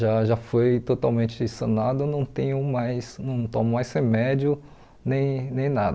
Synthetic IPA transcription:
ʒaʒafojt̪ot̪awmẽnt͡ʃɪsɐ̃nad̪ʊnɐ̃w̃t̪ẽɲʊmajsnɐ̃w̃t̪õmʊmajshemɛd͡ʒjʊ | nẽj̃nẽj̃nad̪ɐ

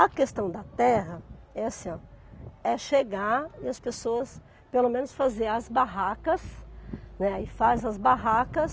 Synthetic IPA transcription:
ɐkest̪ɐ̃w̃d̪ɐt̪ɛɦɐɛsɐ̃ | ɛʃeɡaɾɪɐspesoɐs | pelomẽnʊsfazeɾɐzbaɦakɐsnɛɪfazɐzbaɦakɐs

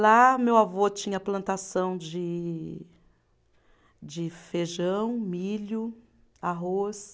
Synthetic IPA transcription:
lamewavot͡ʃĩɲɐplɐ̃nt̪asɐ̃w̃d͡ʒɪ | d͡ʒɪfeʒɐ̃w̃miʎʊ | aɦos

